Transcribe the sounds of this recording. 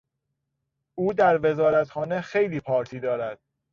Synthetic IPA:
ʔuːd̪æɾve̞zɒːɾæt̪xɒːne̞xejliːpʰɒːɾt̪ʰiːd̪ɒːɾæd̪̥̚

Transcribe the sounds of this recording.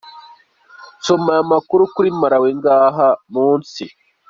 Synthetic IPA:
somaamakuɾukuɾimaɾaweŋɡaːɦamuːnsi

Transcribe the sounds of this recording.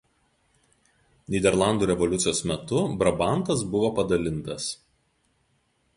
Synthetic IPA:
nʲiːd̪ʲɛɾlˠɑˑnd̪uːɾʲɛʋɔlʲʊt̪sʲɪjoːsmʲɛt̪ʊbɾɐbɑˑnˑt̪ɐs̬bʊʋoːpɐd̪ɐlʲɪnˑt̪ɐs

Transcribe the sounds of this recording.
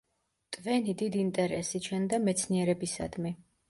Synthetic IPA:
t̪ʼvɛnid̪id̪iːnt̪ʼɛɾɛsit͡ʃʰɛnd̪amɛt̪sʰniɛɾɛbisa̰d̪mi

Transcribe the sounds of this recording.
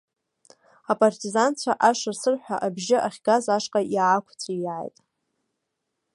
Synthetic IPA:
apʼartʼizant͡ɕʷʰaʔaʂarsɨrħʷᶣaʔabʒɪʔaχʲɡazaʂqʼaʔiʕakʷʰt͡sʰʷʼijʕa̰jtʼ

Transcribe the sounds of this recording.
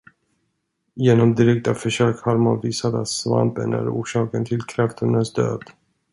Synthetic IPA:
jeːnɔmd̪ɪɾɛk̚t̪afœʂøːkhaɾmanviːsat̪a̰t̪sva̰mpənæ̰ɾuːʂɑːkənt̪ʰɪlkʰɾaft̪ʰɵnd̪ənsd̪ø̰ːd̪̥

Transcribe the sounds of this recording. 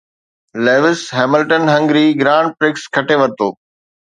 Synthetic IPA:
leːʋɪsɦɛːmɪlʈənɦɐ̃ŋɡɾiɡɾãːɳɖ̚pɾɪkskʰɐʈeʋɐɾt̪oː

